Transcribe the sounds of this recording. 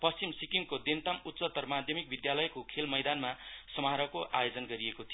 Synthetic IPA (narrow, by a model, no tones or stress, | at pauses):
pʌst͡simsikiŋkod̪ent̪amut̪ːsʌt̪ʌrmad̪ʱjʌmik̚bid̪jalʌjkokʰelmʌjd̪anmasʌmɦaɾʌkoʔajod͡zʌnɡʌɾiekot̪ʰijo